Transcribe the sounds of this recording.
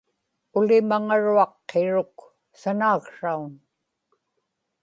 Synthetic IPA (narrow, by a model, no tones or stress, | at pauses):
ʊlɪmaŋaɻuɑqːeɻʊk | sanaːkʂaun